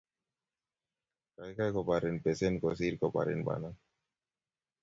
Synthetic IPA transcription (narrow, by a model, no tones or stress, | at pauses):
kajkajkopaɾenpesenkosiːɾkopa̰ɾḛnba̰ːna